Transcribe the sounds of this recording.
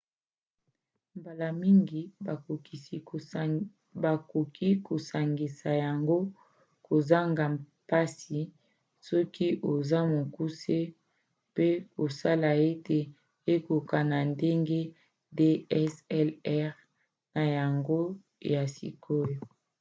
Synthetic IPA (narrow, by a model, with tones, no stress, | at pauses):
mba˨la˨mi˦ŋɡi˨ba˨o˨ki˨si˨ | ba˨ko˨kʰi˦ko˨sa˨ŋɡi˨sa˨ja˨ŋɡo˦ | ko˨za˦ŋɡa˨ | pa˦si˨ | sɔ˦kʰi˦ʔo˨za˦mo˨ku˦se˦ | pe˦o˨sa˦la˨e˦te˨ | e˦ko˨ka˨na˨nde˦ŋɡe˦ | de˦ɛ˦sɛ˦lɛ˦ʁ | na˨ja˨ŋɡo˦ | ja˨sḭ˨kʰo˦jo˨